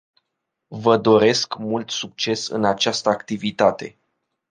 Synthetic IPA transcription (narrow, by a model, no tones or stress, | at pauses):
vəd̪o̞ɾe̞skmult̪suk̚t͡ʃe̞sɨ̰nat͡ʃast̪əakt̪ivit̪at̪e̞̰